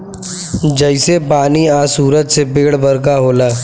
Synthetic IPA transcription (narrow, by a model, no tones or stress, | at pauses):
d͡ʒəɪsepaːniaːsuːɾət̪sebeːɽbəɾkaɦoːlaː